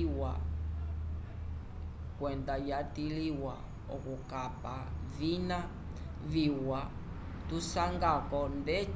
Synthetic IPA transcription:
wa | kwɛndajatiliwa | ɔ̰kukapavina | viwa | tusaŋɡakɔndɛ

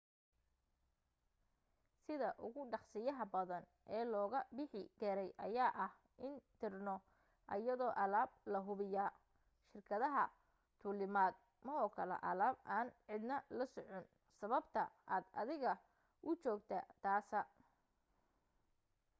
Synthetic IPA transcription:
sɪðɐʔʊɣʊɖɑχsɪjɐɦɐbɐðɐn | ʔɛːlɔːɣɐbɪħɪɡ̥ɛɾɛjʔɐ̰jaːʔɐh | ʔɪnt̪ʰɪrnɔ | ʔɐ̰jɐðɔːʔɐlaːb̚lɐɦʊβɪjaː | ʃɪrkʰɐðɐɦɐ | t̪ʰʊːlɪmaːd̪̚ | mɐɔːkʰɐlɛ̰ʔɐlaːbaːnʕɪd̪nɐlɐsɔʕɔn | sɐβɐbt̪ʰɐaːd̪ɐ̰ðɪɣɐ | ʔʊt͡ʃɔːɡt̪ʰɐt̪ʰaːsɐ

